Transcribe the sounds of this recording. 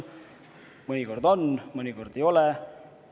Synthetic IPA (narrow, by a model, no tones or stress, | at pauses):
mɤnʲiko̞rd̪o̞nmɤnʲiko̞rd̪̥e̞jo̞lɛ